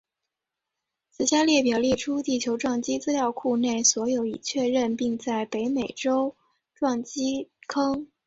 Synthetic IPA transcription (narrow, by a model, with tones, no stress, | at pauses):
t͡sɹ̩˥˩ɕja˥ljɛ˥˩pjɛ˨˩ljɛ˥˩ʈ͡ʂʰu˥t̪i˥˩t͡ɕʰjo˧˥ʊʈ͡ʂwɑ˥˩ŋt͡ɕi˥t͡sɹ̩˥ljɑ˥˧ʊkʰu˥˧ne˥˩ɪswɔ˧˥jo˧˥ʊi˨˩t͡ɕʰɥɛ˥˧ɻə˥˧npi˥˧ŋt͡sa˥˩ɪpe˧˥ɪme˨˩ɪʈ͡ʂo˥ʊ | ʈ͡ʂwɑ˥˩ŋt͡ɕi˥kʰɤ˥ŋ